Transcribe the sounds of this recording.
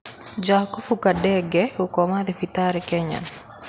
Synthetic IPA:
d͡ʒahkufukadːɛɡɛukɔmad̪ɛfit̪aːɾɛkɛɲa̰n

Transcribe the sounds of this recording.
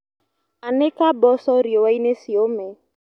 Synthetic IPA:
anekabɔsɔɾiɔwainesiomɛ

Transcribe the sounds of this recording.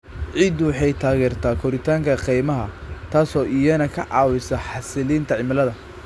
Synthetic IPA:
ʕiːd̪wɑħɑjt̪ʰaːɣɛːrt̪ʰaːkʰɔɾɪt̪ʰaːŋkʰɐqijmɐɦɐt̪ʰaːsɔːʔijɐnɐkʰɐʕɑ̰ːwɪsɐħɑsɪliːnt̪ʰɐʕɪmɐlɐðɐ

